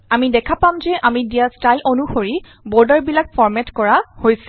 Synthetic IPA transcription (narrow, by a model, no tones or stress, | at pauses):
amidɛkʰapamzɛʔamidijastajlʔonuxoɹi | bɔɹdaɹbilakfʰɔɹmɛtkɔɹahojsɛ